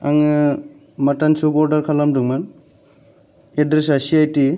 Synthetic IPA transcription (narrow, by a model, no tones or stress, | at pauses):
aŋɯ | matansubɔɾdaɾkʰalamdɯŋman | edɾesasiajti